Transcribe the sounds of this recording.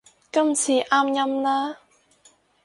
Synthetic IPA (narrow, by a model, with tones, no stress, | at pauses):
kɐ˥mt͡sʰiː˧ʔaː˥mjɐ˥mlaː˥